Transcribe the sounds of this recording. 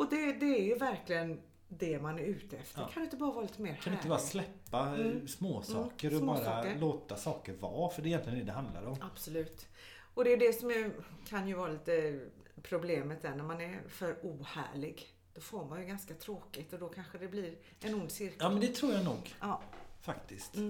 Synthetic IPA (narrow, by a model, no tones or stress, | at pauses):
ɔd̪ɛd̪ɛːɾjɵvæɾklɪɡən | d̪ɛmanæɾʉ̟ːt̪əɛft̪əkʰanʊɪnt̪əbɑːɾavɑːɾɪt̪meːɾhʰanɪəbɑːɾaslɛpːasmoːsɑːkəɾɔmbɑːɾaːkəloːt̪asɑːkəɾvɑːfœɖɛɪjɛnt̪lɪənɛd̪ɛɦand̪la̰ɾɔmab̥sɔlʉ̟ːt̪ | ɔd̪ɛːd̪ɛsɔmjɵkʰanjɵvɑːɾliːt̪ə | pʰɾʊbleːmət̪̚d̪ænæɾmanæɾfœɾuːhæ̰ːɭɪɡ | d̪̥ɔfoːɾmanjɵɡanskat̪ʰɾoːkɪt̪ɔd̪ɔkʰanɧəd̪ɛblɪɾ | ɛnʊnd̪sɪɾkaːmɛnd̪ɛt̪ʰɾuːɾjanuːɡɑːfakt̪ɪst̪